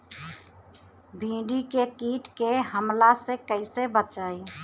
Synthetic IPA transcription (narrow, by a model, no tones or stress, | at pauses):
bʱĩːɖikekiʈkeɦəmlasekəɪsebət͡ʃəj